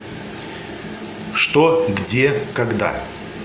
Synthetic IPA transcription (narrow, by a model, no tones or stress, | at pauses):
ʂt̪oɡdʲekɐɡd̪a̰